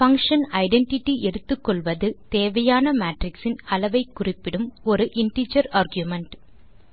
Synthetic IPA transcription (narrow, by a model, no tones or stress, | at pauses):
fɐŋkʂɐnɐɪɖɛɳʈɪʈːiʔɛɽɯt̪ːɯkːɔɭʋɐðɯt̪eːʋɐjaːnɐmaːʈrɪksɪnɐlɐʋɐɪkːʊrɪpːɪɽɯmɔɾɯʔɪɳʈid͡ʒɐɾaːɾɡjumɐɳʈ